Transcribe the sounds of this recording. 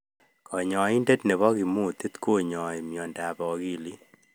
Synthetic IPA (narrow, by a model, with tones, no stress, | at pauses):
kʰɔ˨ɲɔ˨i˦nde˦tne˨βɔ˦ki˨mu˦˨t̪i˦t̪ko˦ɲɔ˨e˨mjɔ˨nda˨bɔ˨ɡi˦li˦